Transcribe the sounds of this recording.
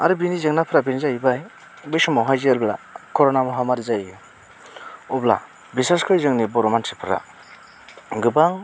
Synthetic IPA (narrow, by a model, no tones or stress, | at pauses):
a̰ɾɯbinizeŋnapʰɾabinizajbaj | bɯjsɔmawɦajzialbla̰kʰɔɾonamɔɦamaɾizaj | ɔbla̰ | biseɾskʰɯjzɯŋnibɔɾɔmansʰipʰɯɾa̰ | ɡɯbaŋ